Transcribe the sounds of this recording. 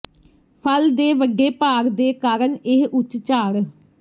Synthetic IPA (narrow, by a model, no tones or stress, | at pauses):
pʰəld̪eːʋəɡeːpaːɾd̪eːkaːɾəɳɪɦʔʊt͡ʃt͡ʃaːɽ